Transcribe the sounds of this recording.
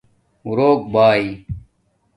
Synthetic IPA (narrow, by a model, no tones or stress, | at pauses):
uɾoːk̚baːi